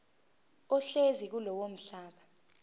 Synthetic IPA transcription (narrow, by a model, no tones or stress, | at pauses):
ɔɬezik̬ulɔwom̩ɬaːɓa